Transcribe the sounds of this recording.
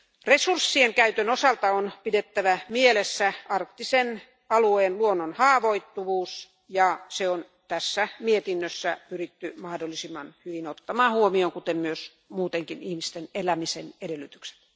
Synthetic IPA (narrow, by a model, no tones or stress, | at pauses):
resursːieŋkæyt̪ønosɑlt̪ɑonpidet̪ːæʋæmielesːæɑrkt̪ːisen | ɑlueːnluonːonhɑːʋoit̪ːuʋuːs | jɑseon | t̪æsːæmiet̪inːøsːæpyrit̪ːymɑhdolːˑisimːɑnhyʋinot̪ːɑmɑːhuomioŋkut̪emmyøs | muːt̪eŋkinihmist̪enelæmisenedelːˑyt̪ykse̥t̪